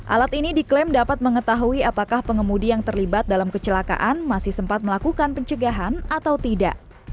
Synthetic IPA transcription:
ʔa̰lat̪inidiklɛmdapat̪̚məŋət̪aɦuiapakahpəŋəmudijaŋt̪ərlibat̪̚dalamkət͡ʃəlaka̰ʔanmasɪhsəmpat̪̚məlakukanpəɲt͡ʃəɡaɦanat̪awt̪ida̰ʔ

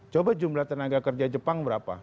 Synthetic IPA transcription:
t͡ʃobad͡ʒumlaht̪ənaɡakərd͡ʒad͡ʒəpaŋbəɾapa̰

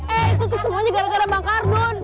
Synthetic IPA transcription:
ɛit̪̬ut̪usəmuaɲakaɾakaɾabaŋkarnʊn

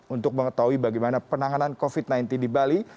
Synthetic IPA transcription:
unt̪ʊk̚məŋət̪aɦuibaɡajmanapənaŋanankofit̪̚najnt̪indibali

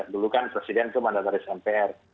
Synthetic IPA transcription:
dulukanpɾesidɛnt̪umandat̪aɾisɛmpeɛr

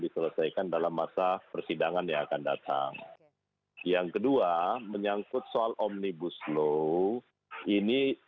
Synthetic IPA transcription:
disələsajkandalamːasapərsidaŋanjaakanda̰t̪a̰ŋ | jaŋkəduaməɲaŋkʊt̪̚soalʔɔmnibuslo | ini

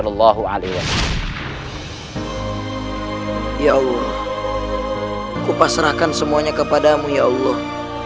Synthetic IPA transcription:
lɑlːɑɦua̰lewas | jaɑlːɔh | kupasɾahkansəmuaɲakəpadamujaɑlːɔh

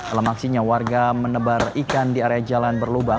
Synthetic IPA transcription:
d̥alamaksiɲawarɡamənəbarikandiaɾead͡ʒalanbərluba

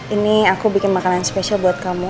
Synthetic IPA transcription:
iniakubikɪnmakananspesialbuat̪̚kamu

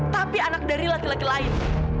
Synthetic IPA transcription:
t̪apianak̚daɾilakilakilaɪn

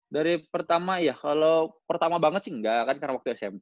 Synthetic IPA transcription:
daɾipərt̪amajakalowpərt̪amabaŋət̪̚siŋɡakadkarnawak̚t̪uɛsɛm

